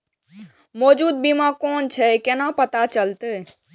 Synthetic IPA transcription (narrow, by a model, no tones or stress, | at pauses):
mɔd͡ʒud̪̚bimãkont͡ʃʰɛkenapət̪at͡ʃəlt̪e